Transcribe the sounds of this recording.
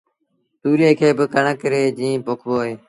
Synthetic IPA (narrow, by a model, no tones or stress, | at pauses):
t̪uːɾeːkʰeːbɪkəɳəkəɾeːd͡ʒĩːpoːkʰboːɦeː